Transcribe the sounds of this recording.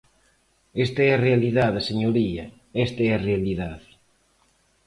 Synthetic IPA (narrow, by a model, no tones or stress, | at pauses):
est̪aɛɐrealiðaðɐseɲoɾiɐ | est̪aɛrealiðað